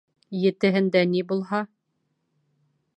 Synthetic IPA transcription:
jɘ̆t̪ɘ̆ɦɘ̆nd̪ænibulˠɦɑ

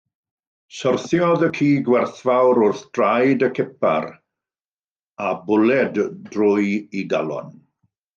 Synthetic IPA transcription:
sɔrθjɔðəkʰiːɡwɛrθvawɾʊrθd̥rajdəkʰɪpa̰ɾ | abʊlɛddrʊjiɡa̰lˠɔ̰n

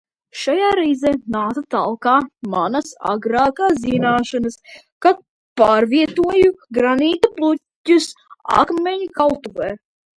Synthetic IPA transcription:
ʃajaːɾɛjzɛːnaːt̪at̪a̰lˠkaːmanɐsa̰ɡɾaːkaːzʲinaːʃanɐs | ka | paːɾviɛt̪uɔjuɡɾaniːt̪aplˠutːusa̰kmʲeɲukalˠt̪uvɛː

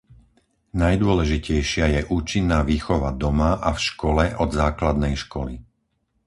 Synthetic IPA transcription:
najd̪ʊɔlɛʒicɛjʃɪajɛʔuːt͡ʃinːaːʋiːxɔʋad̪ɔmaʔafʃkɔlɛʔɔd̪zaːklad̪nɛjʃkɔli

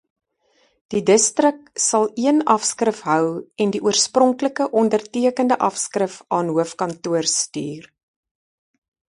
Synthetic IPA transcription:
d̥idəstrək̚sɐlˠiənɐfskrəfɦœwɛndiʔuərsprɔŋkləkəʔɔndərtiəkəndəʔɐfskrəfɑːnɦuəfkɐntuərstyːr

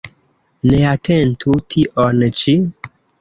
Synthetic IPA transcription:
neatʰentʰutʰiʔont͡ʃi

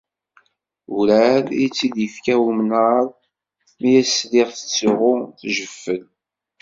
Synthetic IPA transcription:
uɾæɾit͡sːid̪ifkæwmnaɾˤ | mijæslɪʁθə̥t͡sːiʁʊθʒəfːəl

